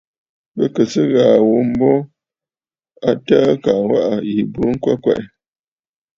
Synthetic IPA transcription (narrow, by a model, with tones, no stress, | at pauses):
bə˦kə˨sə˦ɣaː˨wo˨˦m̩˦bɔ˦ | a˦ta˦ka˨wa˦ʔa˨ji˨bu˨˦ŋ̩˦kwa̰˦kwɛ̰˨ʔ